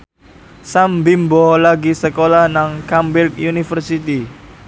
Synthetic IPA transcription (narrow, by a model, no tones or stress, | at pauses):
sambimbɔlaɡisəkolahnaŋkambɪrkjunifərsit̪i